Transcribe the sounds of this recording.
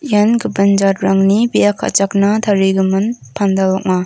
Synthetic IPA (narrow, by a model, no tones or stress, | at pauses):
ijanɡɯbɐnd͡ʒat̚ɾaŋnibijakʰa̰t͡ʃaknɐt̪ʰaɾiɡɯmɯnpʰandalɔk̚ma